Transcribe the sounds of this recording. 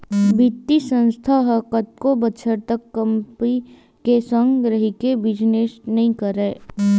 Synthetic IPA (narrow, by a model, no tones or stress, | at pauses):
bit̪ːisə̃nst̪ʰaɦɐkət̪̚kobɐtːʃʰəɾt̪əkːəmpi | kesə̃ŋɡɡɾəɦɪkebɪd͡ʒneːsnɐɦĩkəɾeː